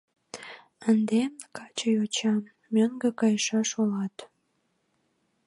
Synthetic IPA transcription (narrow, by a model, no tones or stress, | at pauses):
ənd̪ekɑt͡ɕəjot͡ɕɑmːøŋɡəkɑjʃɑʃulɑt̪